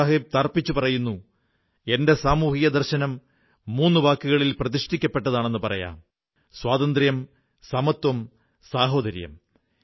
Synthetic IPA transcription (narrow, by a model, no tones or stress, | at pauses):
aɦib̚t̪ɐrpːit͡ɕːupɐrɐjunːu | e̞nde̞saːmuːhijɐd̪ɐrɕɐnɐmː | uːnːuʋaːkːɨɣɐɭilprɐðiʂʈikʲːɐpːe̞ʈːɐðaːɳe̞nːɨpɐrɐ̰ja̰ːm | swaːd̪ɐnd̪rjɐm | sɐmɐt̪wɐm | saːɦo̞ːd̪ɐɾjɐ̰m